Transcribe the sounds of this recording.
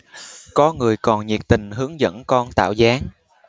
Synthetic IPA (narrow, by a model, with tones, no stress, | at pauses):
kɔ˨˦ŋɨ˨˩əjkɔ˨˩nɲi˨˩ək̚t̪ï˨˩ŋ̟ɦɨ˨˦əŋzə̰˧˥nkɔ˧nt̪a̰ː˧˨wzaː˨˦ŋ